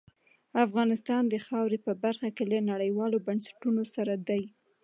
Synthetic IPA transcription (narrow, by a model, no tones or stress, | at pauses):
afɣɑnɪst̪ɑnd̪əxɑwɾepəbaɾxakelanaɽəjwɑlobansḁʈunosaɾad̪aj